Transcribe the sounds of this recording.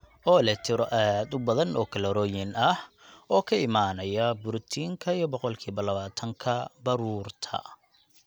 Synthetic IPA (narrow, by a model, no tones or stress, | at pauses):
ɔːlɛt̪ʰɪɾɔʔad̪ʊbɐðɐnɔːkʰɐlɐɾɔːjɪnɐh | ɔːkʰɐɪmaːnɐjɐbʊɾt̪ʰiːŋkʰɐijɔbɔqɔlkʰiːβɐlɐβaːt̪ʰɐŋkʰɐbɐɾuːrt̪ʰɐ̰